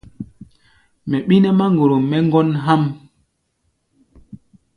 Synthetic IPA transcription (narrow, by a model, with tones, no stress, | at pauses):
mɛ˨ɓi˦nɛ˦ma˦ŋɡo˨ɾo˨mɛ˦ŋɡɔ˦nɦa˦m